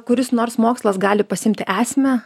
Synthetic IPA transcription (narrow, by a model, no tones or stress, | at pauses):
kʊɾʲɪsnoːrsmoːkslˠɐsɡɑːlʲɪpɐsʲɪɪmʲt̪ʲɪʔæːsʲmʲɛ